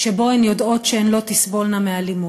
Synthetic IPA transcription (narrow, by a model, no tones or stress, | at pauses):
ʃebo̞enjodo̞t̪ʃeenlo̞t̪isvo̞lnamealimu